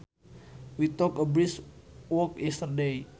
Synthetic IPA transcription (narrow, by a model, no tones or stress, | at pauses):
wit̪ɔkəbɾiswɔkɛst̪ərdej